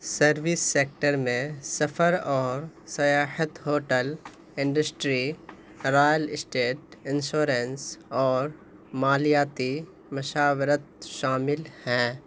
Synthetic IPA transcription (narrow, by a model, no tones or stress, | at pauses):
səɾʋɪsːeːk̚ʈəɾmẽsɐpʰəɾɔːɾsɐjaːhət̪ɦoːʈəl | ɪ̃ɳɖəsʈɾi | ɾaːjəlɪsʈeːʈɪ̃nʃoːɾensɔːɾ | maːlijaːt̪i | mɐʃaːʋɾət̪̚ʃaːmɪlhɛ̃ː